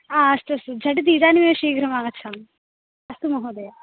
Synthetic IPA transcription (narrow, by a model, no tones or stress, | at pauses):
aːɐst̪uɐst̪ud͡ʒʱɐʈit̪̬iːd̪aːnimeːʃiːɡɾɐmaːŋɡɐt͡ʃʰaːm | ɐst̪umɐɦoːd̪ɐja